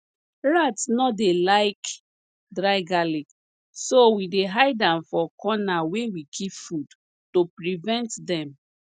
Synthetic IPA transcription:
ɹatnɔdelaɪk | dɾaɪɡali | sowideɦaɪdãmfɔkɔnawewikʰipfud | topɹivɛ̃ntdɛ̃m

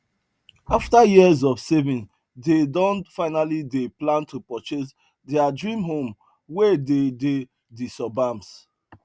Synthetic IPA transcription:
aftajizɔfsevĩn | dedɔ̃nfaɪnalideplãntʰupɔt͡ʃes | deadɹĩmɦõm | wedede | disɔbãms

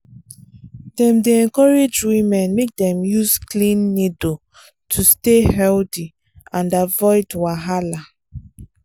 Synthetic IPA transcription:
dɛ̃mdeɛ̃nkɔɹed͡ʒwimɛ̃nmek̚dɛ̃mjusklĩnːido | tʰustehɛlti | ãndavɔɪdwaɦala

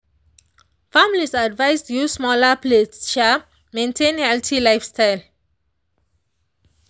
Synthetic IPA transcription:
fãmilisadvajsjusmɔlapletʃa | mẽntʰẽnhɛltʰilajfstʰajl

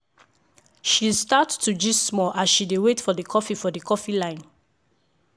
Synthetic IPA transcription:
ʃistatːud͡ʒissmɔʔazʃidewetfɔdəkʰɔfifɔdəkʰɔfilãɪ̃n

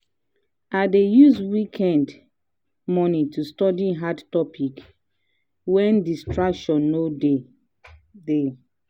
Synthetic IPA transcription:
adejuswikʰɛ̃nd | mɔnitʰustɔdiɦadtɔpʰik | wɛ̃ndistɹakʃɔ̃nːode | de

